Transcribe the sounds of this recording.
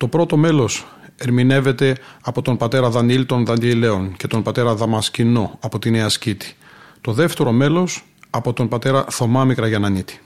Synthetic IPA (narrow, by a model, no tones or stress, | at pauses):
t̪o̞pɾo̞t̪o̞me̞lo̞s | e̞ɾmine̞ve̞t̪e̞ɐpo̞t̪o̞npɐt̪e̞ɾɐðɐnilt̪o̞nðɐnile̞o̞nce̞t̪o̞npɐt̪e̞ɾɐðɐmɐscino̞ɐpot̪ineɐscit̪i̥t̪o̞ðe̞ft̪e̞ɾo̞me̞lo̞s | ɐpo̞t̪o̞npɐt̪e̞ɾɐθo̞mɐmikɾɐʝɐnɐnit̪i̥